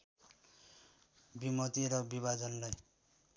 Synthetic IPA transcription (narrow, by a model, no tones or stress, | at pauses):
bimʌt̪iɾʌbiβad͡zʌnlaj